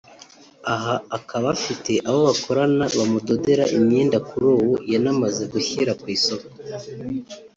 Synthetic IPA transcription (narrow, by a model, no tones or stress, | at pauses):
aɦaːkaβafite̞ʔaβo̞βakʰo̞ɾanaβamudodeɾaʔimɲiːndakuɾuːwujanamaze̞ɡuçiɾakwiːsoko̥